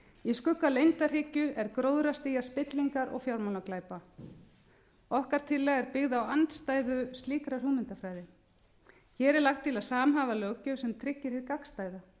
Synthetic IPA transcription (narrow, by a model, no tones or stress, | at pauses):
iskʏkːalejnt̪ar̥ɪːcʏʔɛɾkɾoːwðɾast̪iːjaspɪt̪liŋkaɾʔɔ̰ɣfjawɾmawnaklaːjpa | ɔhkaɾ̥t̪ʰɪlːɛɣɛɾpɪɣðaawant̪st̪aːjðʏst̪liːkɾaɾ̥huːmɪnt̪afɾaːjðɪ | çɛːɾɛɾlaxt̪ʰːɪlaðsaːmɦaːvalœːwcʏsɛmt̪ʰɾɪcːɪɾ̥hɪðkakst̪aːjða